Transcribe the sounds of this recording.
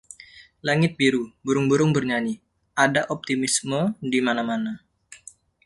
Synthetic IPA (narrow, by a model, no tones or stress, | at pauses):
laŋɪt̪̚biɾubuɾʊŋbuɾʊŋbərɲani | adaʔop̚t̪imismədimanamana